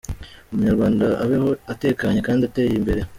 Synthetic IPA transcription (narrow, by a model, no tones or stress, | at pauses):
umuɲaɾɡwaːndaʔaβeho̞ate̞ːkaɲe̞kaːndiate̞ːjimbe̞ɾe̞